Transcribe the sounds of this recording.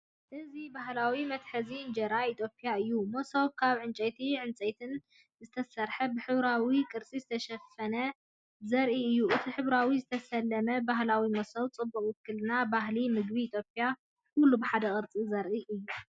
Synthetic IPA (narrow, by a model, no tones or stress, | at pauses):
ʔɨzibaɦlawimɐt̪ħɐzind͡ʒɐɾait̪ʰjo̞pʼːijaɨjːumosoβkʰaβʕɨnt͡ʃʼɛjt̪ʰiʕɨnt͡sʼɐjt̪ʰɨn | zɨt̪ʰɐsɐɾħɐbɨħɨβɾawikʼɨɾt͡sʼizɨt̪ʰɐʃɐfɐnɐ | zɐɾʔiɨjːuʔɨt̪ʰiħɨβɾawizɨt̪ʰɐsɐlːɐmɐbaɦlawimosoβt͡sʼɨbːɐχʼwɨkʰːɨlɨnabaɦlimɨɡbiːt̪ʰjopʼija | kʰʊlːubɨħad̪ɐkʼɨɾt͡sʼizɐɾʔiʔɨjːu